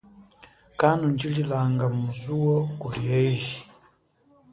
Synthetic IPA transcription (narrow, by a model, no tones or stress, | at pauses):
kanund͡ʒililaŋɡamuzuɔkuliɛiʒi